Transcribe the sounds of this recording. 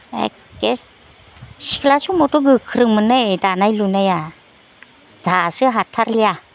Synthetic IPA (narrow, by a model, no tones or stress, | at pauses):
ḛ | ke | si̥kʰlasumɔtoɡɯkʰɯɾɯŋmɯnajdanajlunaja | d̥ʱasɯɦatʰaɾlija